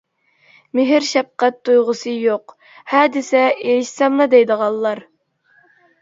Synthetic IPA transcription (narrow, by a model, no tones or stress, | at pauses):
mɪɦɪɾʃɛp̚qæt̪ʰːujʁʊsɨjoq | hɛd̪ɪsɛeʃsɛmlˠɨd̪ɛjd̪əʁɑlˠːɑɾ